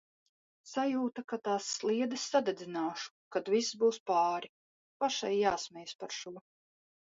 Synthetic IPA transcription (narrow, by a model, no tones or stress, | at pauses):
sajuːt̪akat̪aːsːlˠiɛd̪ɨsːad̪ɛd̪zʲinaːʃu̥kad̪viszbuːspɑːɾi | paʃajːaːsmʲɛjspaɾʃuɔ